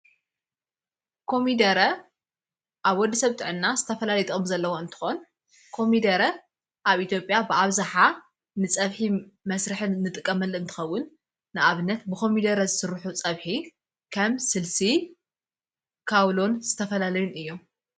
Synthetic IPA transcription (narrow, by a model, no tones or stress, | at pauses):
kʰo̞mid̪ɐɾɐ | ʔaβwɔd̪ːisɐβt̪ʼɨʕɨnːazɨt̪ʰɐfɐlalit̪ʼomzɐlːɐwo̞ɨnt̪ʰɨ̥xo̞n | kʰo̞mid̪ɐɾɐ | ʔaβʔit̪ʰjo̞pʼjabɨʔaβzaħa | nɨt͡sʼɐβħimɐsɾɨħɨnːɨt̪ʼɨkʼːɐmɐlːɨnt̪ʰɨ̥xɐwːʊnː | ɨʔaβɨnːɐt̪bɨkʰo̞mid̪ɐɾɐzɨsɨɾħut͡sʼɐβħi | kʰɐmsɨlsi | kʰawlo̞nzɨt̪ʰɐfɐlalɐjunɨjːo̞m